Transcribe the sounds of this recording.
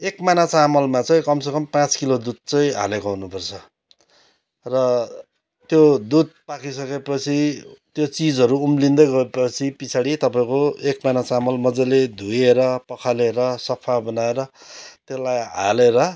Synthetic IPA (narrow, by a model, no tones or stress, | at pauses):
ekmajnat͡samʌlmat͡sʌĩkʌmsekʌmpãt͡skilod̪ud̪̚t͡sʌĩa̰lekoɦunupʌrt͡sʰʌ | rʌ | t̪jod̪ud̪̚pakisʌkepʌt͡sʰit̪jot͡sid͡zʌɾuːmlind̪ʌɡʌepʌt͡sʰipisʰaɽit̪ʌpaĩkoekmajnat͡samʌlmʌd͡zaled̪ʱujeɾʌpʌkʰaleɾʌsʌpʰabʌnaeɾʌt̪elajɦa̰leɾʌ